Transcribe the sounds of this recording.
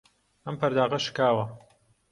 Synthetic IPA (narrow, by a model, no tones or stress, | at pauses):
ʔɐmpɐɾd̪aːʁɐʃɨ̥kaːwɐ